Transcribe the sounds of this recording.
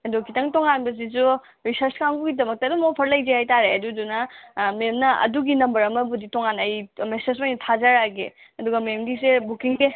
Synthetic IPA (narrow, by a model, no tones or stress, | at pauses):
ɐdukʰitɐŋtoŋanbɐz̬izu | ɾisɐɾskamɡuɡidɐmɐk̚tɐdumopʰɐɾlɐjd͡ʒehajtaɾeɐdudunɐmemnɐɐ̰duɡinɐmbɐɾɐmɐbuditoŋanɐjmesezmajnɐtʰazaɾaɡḛ | ɐduɡɐmemdisebukiŋbe